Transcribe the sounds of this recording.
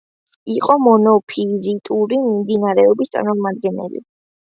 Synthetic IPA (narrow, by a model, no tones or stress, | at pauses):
iqʼɔmɔnɔpʰizit̪ʼuɾimimd̪inaɾɛɔbist̪sʼa̰ɾmɔmad̪̚ɡɛnɛ̰lḭ